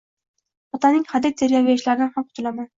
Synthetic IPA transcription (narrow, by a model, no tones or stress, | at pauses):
ɒt̪ʰanɪŋʲχad̪ɪt̪̚d̪eɾɡʲaweɪʃlaɾɪnanhamqʰʊt̪ʰʊlaman